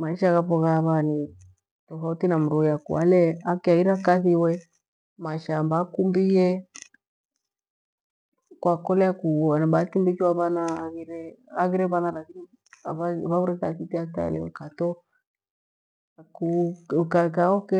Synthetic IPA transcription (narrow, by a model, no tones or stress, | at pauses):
maiʃaɣapɔɣaβani | tɔfautinam̩ɾujakṵa̰lɛakiaɣiɾakaθiwɛ | maʃambakumbiɛ | kwakɔlɛakuanabatimbit͡ʃiwaβanaːɣiɾɛaɣiɾɛβanalakini | βaβauɾɛkasitiata̰lɛ̰wɛ̰katɔ | akukakaɔkɛ